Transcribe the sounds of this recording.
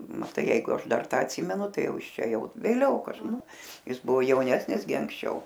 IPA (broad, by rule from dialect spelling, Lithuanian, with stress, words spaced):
mɐˈtɐɪ ˈjɛɪɡʊ ˈɐʃ ˈdɐr ˈtɑː ɐtʲˈsʲiːmʲɛnʊ ˈtɐɪ ˈjɛʊ ˈjɪs ˈt͡ʃʲɛ ˈjɛʊ ʋʲeːˈlʲɛʊ kɐʃ ˈnʊ ˈjɪs ˈbʊʋoː jɛʊˈnʲæːsʲnʲɪs ɡʲɪ ɐŋksʲˈt͡ʃʲɛʊ